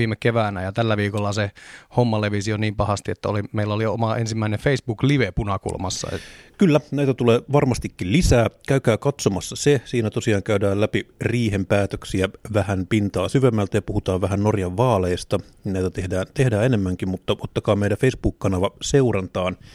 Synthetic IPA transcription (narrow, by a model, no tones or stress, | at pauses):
iːmekkeʋæːnæjɑt̪ælːæʋiːkolːɑsehomːɑleʋisioniːmpɑhɑst̪iet̪ːæolimeilːæoliomɑensimːæinefeisb̥uːkliʋepunɑkṵlmɑsːɑ̰kylːænæit̪æt̪uleːʋɑrmɑst̪ikːillisæːkæykæːkɑt̪somɑsːɑsesiːnæt̪osiɑːŋkæydæːlæpiriːhempæːt̪øksiæʋæhænpint̪ɑːsyʋemːælt̪æjɑpuhut̪ɑːʋʋæɦænnorjɑʋʋɑːleist̪ɑninæit̪æt̪ehdæːnt̪ehdæːenemːæŋkimmut̪ːɑot̪ːɑkɑːmeijdæfeisb̥uːkkɑnɑʋɑseurɑnt̪ɑːn